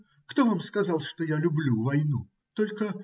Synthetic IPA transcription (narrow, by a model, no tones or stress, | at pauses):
kt̪ovamskazalˠʂt̪ɔjalʲublʲuvajnu | t̪ɔlʲkə